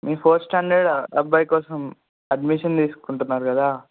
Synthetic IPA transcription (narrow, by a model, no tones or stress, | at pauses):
miːpʰoːɾsʈaːɳɖɐɖɐbɐjkɔːsɐm | ɐɖmiʃɐnt̪iːsu̥kuɳʈunːaːɾukɐd̪aː